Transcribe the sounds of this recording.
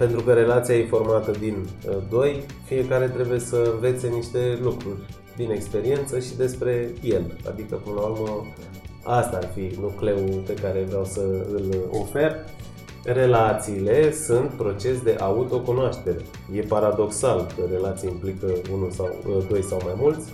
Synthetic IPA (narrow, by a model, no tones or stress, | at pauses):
pe̞nt̪ɾukəɾe̞lat̪siajefo̞rmat̪əd̪ind̪o̞j | fije̞kaɾe̞t̪ɾe̞buje̞səɨnve̞t̪se̞niʃt̪e̞lukɾurʲ | d̪ine̞kspe̞ɾie̞nt̪səʃid̪e̞spɾe̞je̞la̰d̪ikəpɨnəlaurmə | ast̪aːrfinukle̞upe̞kaɾe̞vɾʲawsəɨlo̞̰fe̞r | re̞lat̪siːle̞sunt̪pɾo̞t͡ʃe̞sd̪e̞ʔaut̪o̞kunoaʃt̪e̞ɾe̞̰ | je̞paɾad̪o̞ksalkəɾe̞lat̪sijeimplikəunusawd̪o̞jsawmajmult̪sʲ